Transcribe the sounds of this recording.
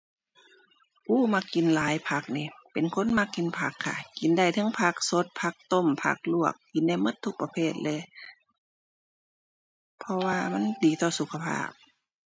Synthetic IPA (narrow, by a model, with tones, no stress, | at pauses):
ʔuː˧˥˨ma˧kːi˨nlaː˨˦jpʰa˧k̚niː˧˨pe˨nkʰo˧˥˨nma˧˥kːi˨npʰa˧kʰːa̰˧ki˨˦nda˧˩jt̪ʰɤ˧˥˦ŋpʰa˧k̚so˧˥t̪̚pʰa˧˥k̚t̪o˧˨mpʰa̰˧˩k̚lu˧˩ək̚ːi˨˦nda˧˩jmɤ˧˥˨t̪ʰːu˧k̚pa˧pʰeː˧˩t̪̚lɛ˧˩ | pʰɔ˧waː˧ma˧˥˨ndiː˨˦t̪ɔː˧˩su˧˦kʰa˧pʰa̰ː˧˩p̚